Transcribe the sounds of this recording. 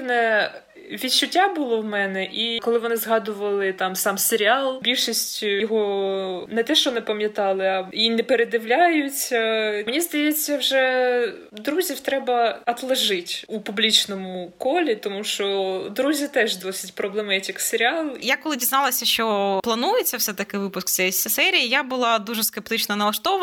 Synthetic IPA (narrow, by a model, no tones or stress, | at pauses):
nɛ | ʋʲitt͡ʃːʊtʲːabʊlˠɔwmɛnɛʔikɔlˠɪʋɔnɪzɦɑd̪ʊʋɐlˠɪt̪ɑmsɑmseɾʲɪɑlˠbʲilʲʃisʲtʲjɔɦɔnɛt̪ɛʃt͡ʃɔnɛpɐmʲjɐt̪ɑlˠɪɐinɛpeɾed̪ɪwlʲajʊt͡sʲɐmenʲizd̪ɐjet͡sʲːɐwʒɛ | d̪ɾuzʲiwt̪ɾɛbɐɐt̪lˠɐʒɪtʲupublʲit͡ʃnɔmʊkɔlʲit̪ɔmuʃt͡ʃɔd̪ɾuzʲit̪ɛʒd̪ɔsʲɪ̥tʲpɾɔblˠɛmɛjɛtʲɪkseɾʲɪalˠjakɔlˠɪdʲiznɑlˠɐsʲɐʃʃt͡ʃɔplˠɐnujet͡sʲːɐwsɛt̪ɐkɪʋɪpʊskt̪ʲsʲɛjsʲsɛɾʲijijabʊlˠɑd̪uʐɛskep̚t̪ɪt͡ʃnɐnɐlˠɐʃt̪ɔʋɐ